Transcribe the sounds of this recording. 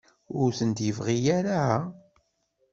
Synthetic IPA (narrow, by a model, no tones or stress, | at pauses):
ʊɾθənd̪jəvʁijaɾaa